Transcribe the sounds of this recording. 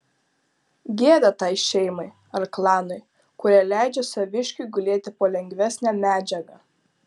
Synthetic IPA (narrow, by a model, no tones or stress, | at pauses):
ɡʲeːd̪ɐt̪ɑɪʃʲɛɪmɐɪ | ɐɾklˠɑːnɐɪ | kʊɾʲælʲæˑɪd͡ʒʲɛsɐʋʲɪʃʲkʲʊɪɡʊlʲeːt̪ʲɪpoːlʲɛŋʲɡʲʋʲæsʲnʲæmʲæːd͡ʒʲɛɡɑ